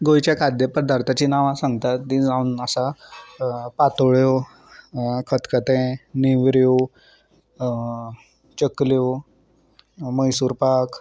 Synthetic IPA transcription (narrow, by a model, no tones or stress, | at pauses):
ɡojt͡ɕjakʰad̪jəpəɾd̪ʱaɾt̪ʰat͡ɕiːnaʋãsãŋɡt̪at̪nĩd͡zaunəsa | pat̪oɭjo | kʰət̪kət̪ẽniʋɾjo | t͡ɕəklo | məjsuːɾpak